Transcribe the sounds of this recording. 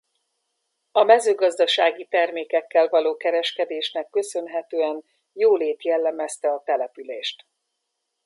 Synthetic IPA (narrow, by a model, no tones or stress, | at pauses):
ɒmɛzøːɡɒzd̪ɒʃaːɡit̪ɛrmeːkɛkːɛlvɒloːkɛɾɛʃkɛd̪eːʃnɛkːø̞sø̞nɦɛt̪øːɛn | joːleːt̪jɛlːɛmɛst̪ɛɒt̪ɛlɛpyleːʃt̪